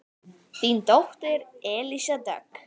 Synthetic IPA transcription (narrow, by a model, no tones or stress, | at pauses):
θint̪ɔht̪ɪɾɛːlisat̪a̰k